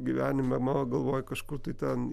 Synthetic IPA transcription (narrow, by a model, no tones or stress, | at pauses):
ɡʲiʋʲæːnʲɪmʲɛmɑʋɐɡɐlˠʋoːjkɐʃkʊrt̪ɐɪt̪ʲɛn